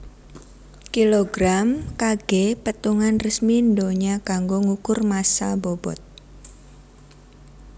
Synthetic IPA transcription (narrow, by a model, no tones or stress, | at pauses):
kiloɡɾamkaɡ̥epət̪uŋanrəsmindoɲakaŋɡoŋukʊrmasa̰bob̥ɔ̰t̪̚